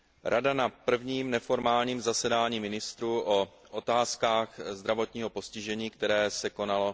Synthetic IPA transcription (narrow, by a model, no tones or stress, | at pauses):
ɾʔadanapr̩vɲiːmnɛfo̞ɾmaːlɲiːmzasɛdaːɲiːmɪnɪst̪ɾuːʔo | ʔot̪aːskaːxzd̪ɾavo̞t̪ɲiːɦo̞po̞scɪʒɛɲiːkt̪ɛɾɛːsɛko̞nalo̞